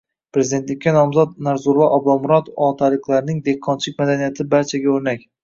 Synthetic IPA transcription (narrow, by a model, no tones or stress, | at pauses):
pɾe̞zid̪ent̪lɪkʲːanɒmzɒd̪naɾzuɾvaʔɒbɒmʊɾɒt̪ɒt̪ʰalɪklaɾɪnɪŋd̪eqʰːɒnt͡ʃʰɪk̚ʲmad̪anijat̪ʰɪbaɾt͡ʃʰaɡʲaɵɾnakʲ